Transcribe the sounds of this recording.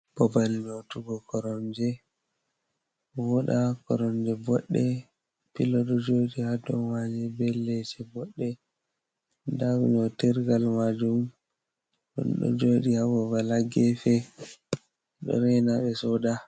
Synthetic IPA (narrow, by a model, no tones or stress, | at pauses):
bɔbaliɲotuɡɔkɔɾɔnd͡ʒɛ | wɔɗakɔɾɔnd͡ʒɛbɔɗːɛ | pilɔɗɔd͡ʒoɗihadɔwad͡ʒɛbɛlːɛt͡ʃɛbɔɗːɛ | ndaɡuɲɔtiɾɡalmad͡ʒum | ɗɔ̰nɗɔ̰d͡ʒoɗihabɔbalaɡɛfɛ | ɗɔ̰ɾɛnaɓɛsɔda